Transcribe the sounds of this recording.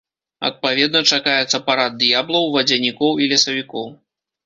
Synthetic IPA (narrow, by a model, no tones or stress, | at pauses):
ɐ̰t̪̚pavʲɛd̪nɐt͡ʂakajɛt̪sɐpaɾad̪̚d̪jablˠɐwvɐd͡zʲɐnʲikɔwilʲɐsɐvʲikɔw